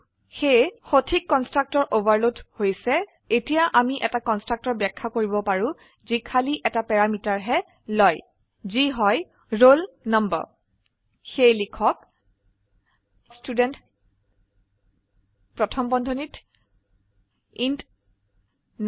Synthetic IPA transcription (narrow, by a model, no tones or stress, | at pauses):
xejxotʰikːɔnstɹak̚tɔɹʔobaɹlothojsɛ | etijaʔamiʔɛtakɔnstɹak̚tɔɹbɛkʰːakoɹibɔpaɹũ | zikʰaliʔɛtapɛɹamitaɹɦɛ | lɔj | ziɦɔj | ɹol | nɔmbɔ̰ɹ | xejlikʰɔk | studɛnt | pɹɔtʰɔmbɔndʱonit | int